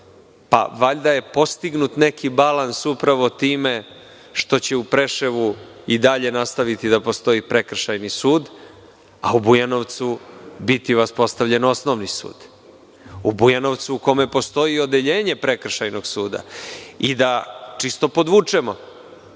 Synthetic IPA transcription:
pa̰ʋaʎd̪aje̞po̞st̪iɡnut̪ne̞kʰibalansupɾaʋo̞t̪iːme | ʃt̪o̞t͡ɕe̞upɾe̞ʃeʋu | id̪aʎe̞nast̪aʋit̪id̪apo̞st̪o̞ipɾe̞kr̩ʃajnisuːd̪ | a̰ubujano̞ʋt̪subit̪iʋaspo̞st̪aʋvʎe̞nosnoʋnisṵːd̪̥ | ubujano̞ʋt̪suuko̞me̞po̞st̪o̞io̞d̪e̞ʎe̞ːɲe̞pɾe̞kr̩ʃajno̞ɡsuːd̪a̰id̪at͡ʂist̪o̞po̞d̪ʋut͡ʂemo̞

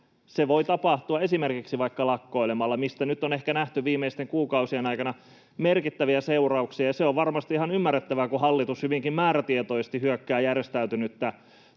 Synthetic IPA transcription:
seʋoit̪ɑpɑht̪uɑe̞simerkiksiʋɑikːɑlɑkːo̞ilemɑlːɑmist̪ænyt̪ːone̞hkænæht̪yʋiːmːeist̪eŋkuːkɑusienɑjkɑnɑ | merkit̪ːæʋiæseurɑuksiɑjɑseoʋʋɑrmɑst̪iihɑnymːærːet̪ːæʋækuhɑlːit̪ushyʋiŋkimmæːɾæt̪iet̪oisest̪ihyøkːæːjærest̪æyt̪ynyt̪ːæ

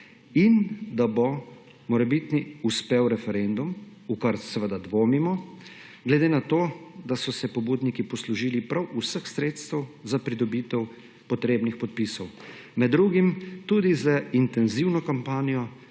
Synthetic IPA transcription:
ind̪abɔ | mɔɾɛbit̪niuspewɾɛfɛɾend̪um | ukaɾsɛʋəd̪ad̪ʋoːmimɔ | ɡlɛd̪enat̪oːd̪asɔsɛpɔbuːd̪nikipɔsluʒiːlipɾawʔusəxsɾeːt̪st̪ɛwzapɾid̪ɔbiːt̪ɛw | pɔt̪ɾeːbnixpɔt̪̚piːsɔw | mɛd̪ːɾuɡimt̪ud̪izəint̪ɛnziwnɔkampaːnijɔ

